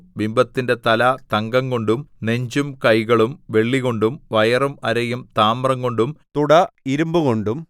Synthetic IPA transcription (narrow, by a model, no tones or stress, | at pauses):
bimbɐt̪ːinde̞t̪ɐlɐt̪ɐŋɡɐŋɡo̞ɳɖumne̞ɲd͡ʑumkɐjɣɐɭumʋe̞ɭːiɣo̞ɳɖumʋɐjɐrumɐɾɐjumt̪aːmrɐŋɡo̞ɳɖumt̪uɽɐiɾumbuɣo̞ɳɖum